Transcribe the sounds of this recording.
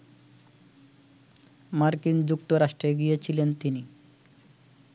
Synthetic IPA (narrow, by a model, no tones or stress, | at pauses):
maɾkind͡ʑuk̚t̪oɾaʃʈɾeɡijet͡ɕʰilent̪ini